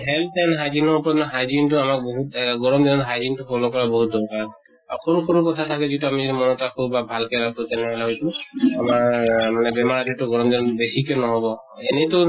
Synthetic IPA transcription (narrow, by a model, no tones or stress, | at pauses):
ɦɛltɛnɦajzinɔɹpɔɹɔnɔɦajzintʊamak̚boɦutɡɔɹɔmd͡ʒɔnɔtɦajzintukʰɔlɔkɔɹabɔɦut̚dɔɹkaɹ | akʰɔɹukʰɔɹukɔtʰatʰakɛzituamizitimɔnɔtakʰubabʱalkɛɹakʰũtɛnɛɦɔlɛɦɔjsʊ̃amamanɛbɛmaɹadɛtɔɡɔɹɔmd͡ʒɔnɔnbesikɔnɔɦɔbɔ | ɛnɛtɔ